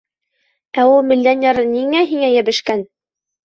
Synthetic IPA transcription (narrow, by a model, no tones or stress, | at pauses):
æulˠmĭlːænʲæɾɤniŋæɦiŋæjæbɘ̆ʃkæn